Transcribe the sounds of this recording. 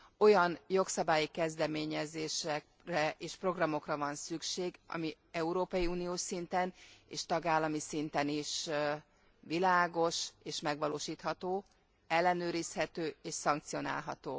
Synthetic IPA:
o̞jɒnjo̞ksɒbaːjikɛzd̪ɛmeːɲɛzeːʃɛk | rɛeːʃpro̞ɡrɒmo̞krɒvɒnsykʃeːɡɒ̰mi | ɛuɾoːpɒjiuːnioːʃsint̪ɛnḛːʃt̪ɒɡaːlːɒmisint̪ɛniʃ | ʋilaːɡo̞ʃeːʃmɛɡʋɒloːʃiːt̪hɒt̪oː | ɛlːɛnøːɾishɛt̪øːeːʃsɒŋkt̪sijo̞na̰ːlɦɒ̰t̪oː

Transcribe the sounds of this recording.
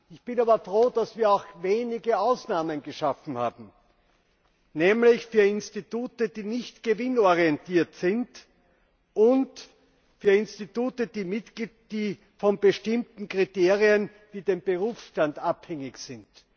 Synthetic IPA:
ɪçb̥ɪnaːbɐfʁoːdasv̥iːɐaʊxveːnɪɡəaʊsnaːmənɡəʃafn̩ha̰ːbm̩ | nɛːmlɪçfyːɐɪnstituːtəd̥iːnɪçtɡ̥əvɪnɔʁiɛntiːɐtsɪnt | ʔʊnt | fyːɐɪnstituːtədiːmɪtɡ̥liːt̚d̥iː | fɔnbəʃtɪmtn̩kʁ̥iteːʁiən | viːdeːmbəʁuːfsʃtantaphɛŋɪçsɪnt

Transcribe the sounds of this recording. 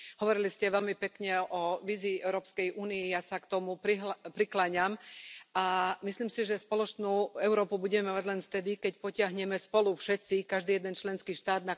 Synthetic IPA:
ɦɔʋɔɾiliscɛʋɛlmipɛkɲɛɔʋiːziːʔɛʊɾɔːpskɛjʔuːniijasakt̪ɔmupɾiɦpɾiklaɲamamisliːmsiʒɛspɔlɔt͡ʃnuːɛʊɾɔːpubuɟɛmɛmaɟlɛnft̪ɛd̪ikɛc̚pɔcɪaɦɲɛmɛspɔlufʃɛt͡sikaʒd̪iːjɛd̪ɛnt͡ʃlɛnskiːʃt̪aːd̪na

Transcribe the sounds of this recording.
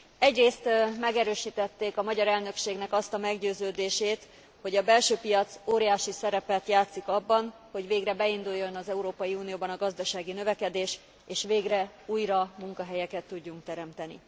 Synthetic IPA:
ɛɟreːst̪mɛɡɛɾøːʃiːt̪ɛt̪ːeːkɒmɒɟɒɾɛlnø̞kʃeːɡnɛkɒst̪ɒmɛɡɟøːzøːd̪eːʃeːt̪ | ho̞ɟɒbɛlʃøːpijɒt̪soːɾijaːʃisɛɾɛpɛt̪jaːt̪sikɒbːɒn | ho̞ɟveːɡrɛbɛind̪ujːo̞nɒzɛuɾoːpɒjiuːnijoːbɒnɒɡɒzd̪ɒʃaːɡinø̞vɛkɛd̪eːʃ | eːʃʋeːɡrɛuːjrɒmuŋkɒɦɛjɛkɛt̪ːuɟːuŋk̚t̪ɛɾɛmt̪ɛnḭ

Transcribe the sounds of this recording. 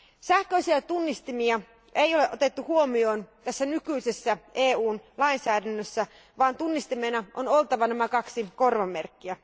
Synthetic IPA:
sæhkøisiæt̪unːist̪imiɑ | ʔeijo̞leʔot̪e̞t̪ːuhuomio̞ːnt̪æsːænykyjse̞sːæʔe̞ːuːnlɑinsæːdænːøsːæ | ʋɑːnt̪unːist̪ime̞nɑʔono̞lt̪ɑʋɑnæmækɑksiko̞rʋɑmːe̞rkːiæ

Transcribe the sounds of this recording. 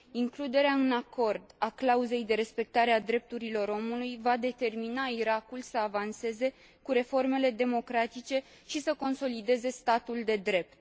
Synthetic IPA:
iŋklud̪e̞ɾeaɨnako̞rd̪aklauze̞jd̪e̞ɾe̞spe̞k̚t̪aɾe̞ad̪ɾe̞p̚t̪uɾilo̞ɾo̞mulujvad̪e̞t̪e̞rminaiɾakulsəavanse̞ze̞ | kuɾe̞fo̞rme̞le̞d̪e̞mo̞kɾat̪it͡ʃe̞ | ʃisəko̞nso̞lid̪e̞ze̞st̪at̪uld̪e̞d̪ɾe̞p̚t̪̚

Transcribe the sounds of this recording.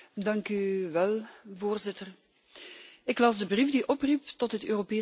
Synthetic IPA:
dɑŋkyʋɛlˠvoːrzɪtər | ɪklɑzdəbrivdiʔɔpriptɔtɦətøːropeː

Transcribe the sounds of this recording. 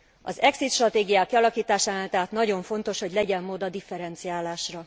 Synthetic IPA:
ɒ̰zɛksit̪ʃrɒt̪eːɡijaːkːiɒlɒkiːt̪aːʃaːmaːlt̪ɛɦat̪nɒɟo̞ɱfo̞n̪t̪o̞ʃho̞ɟlɛɟɛmːoːd̪ɒd̪ifɛɾɛnt̪sijaːlaːʃrɒ

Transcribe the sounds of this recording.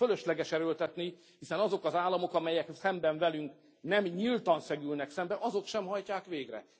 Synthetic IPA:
følø̞ʃlɛɡɛʃɛɾølt̪ɛt̪ni | hisɛnɒzo̞kɒzaːlːɒmo̞kɒmɛjɛksɛmbɛɱvɛlyŋk | nɛmɲilt̪ɒnsɛɡylnɛksɛmbɛʔɒzo̞kʃɛmɦɒjcaːkʋeːɡrɛ̰

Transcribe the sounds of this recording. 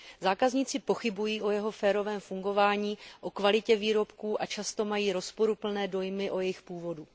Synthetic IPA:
zaːkazɲiːt͡sɪpo̞xɪbujiːʔo̞jɛɦo̞fɛːɾo̞vɛːmfuŋɡo̞vaːɲiːʔo̞kvalɪcɛviːɾo̞pkuːʔat͡ʃast̪o̞majiːɾo̞spo̞ɾupl̩nɛːdo̞jmɪʔo̞jɛjɪxpuːvo̞du

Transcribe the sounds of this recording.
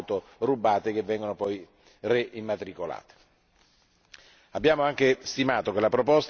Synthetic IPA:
t̪o | rubːaːt̪ek̟evːɛŋɡonopɔj | reʔimːat̪ɾikola̰ːt̪e̥ | abːjaːmoaŋk̟est̪imaːt̪ok̟elapɾopost̪

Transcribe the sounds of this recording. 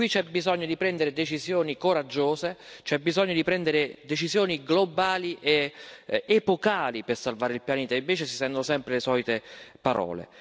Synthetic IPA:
kwit͡ʃɛbizɔɲːod̪ipɾɛnd̪eɾed̪et͡ʃizjoːnikoɾad͡ʒːoːzet͡ʃɛbːizɔɲːod̪ipɾɛnd̪eɾed̪et͡ʃizjoːniɡlobaːliʔe | epokaːlipersalvaːɾeilpjaneːt̪aiɱveːt͡ʃesisɛnd̪onosɛmpɾelesɔːlit̪epaɾʔɔ̰ːlḛ

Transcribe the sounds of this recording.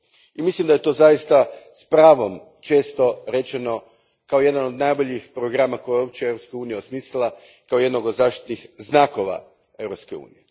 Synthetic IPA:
imislimd̪aje̞t̪o̞ːzajist̪aspɾaːʋo̞m | t͡ʃe̞ːst̪o̞ɾe̞t͡ʃeno̞ | kao̞je̞d̪anod̪najbo̞ʎixpɾoɡɾamako̞jejop̚t͡ʃeewɾopskauːnijaosmiːslilˠa | kao̞je̞d̪noɡod̪zaːʃt̪i̥t̪nixznaːko̞ʋa̰ | e̞wɾopskeṵːnije

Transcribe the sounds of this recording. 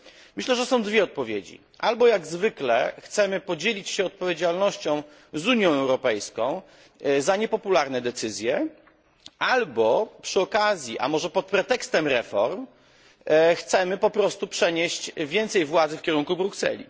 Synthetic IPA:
mɘɕlɛʐɛsɔ̃w̃d̪vʲjɛɔt̪̚pɔvʲjḛd͡ʑḭ | ʔalbɔjaɡzvɘklɛ̰xt̪sɛmɘpɔd͡ʑelʲit͡ɕɕɛɔt̪̚pɔvʲjed͡ʑalnɔɕt͡ɕɔ̃w̃ | zuɲjɔ̃w̃ɛwɾɔpɛjskɔ̃w̃ | zaɲɛpɔpulaɾnɛd̪ɛt̪sɘzʲjɛ | ʔalbɔpʂɘɔkazʲjiʔa̰mɔʐɛpɔt̪̚pɾɛt̪ɛkst̪ɛmɾɛfɔ̰ɾm | xt̪sɛmɘpɔpɾɔst̪upʂɛɲeɕt͡ɕvʲjɛnt̪sɛjvwad̪zɘfkʲɛɾuŋkubɾuksɛ̰lʲḭ

